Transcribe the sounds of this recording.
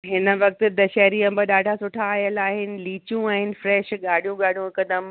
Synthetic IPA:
ɦɪnə̆ʋɐk̚t̪d̪ɐʃɛːɾiɐ̃mbəɗaːɖʱasʊʈʰaːjəlaːɦɪnɪ̆liːt͡ɕũaːɦɪnɪ̆fɾɛːʃɠaːɽ̤ʱijũɠaːɽ̤ijũɪkɐd̪əm

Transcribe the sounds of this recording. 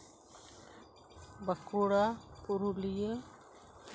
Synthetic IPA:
bəkuɽapuɾulije

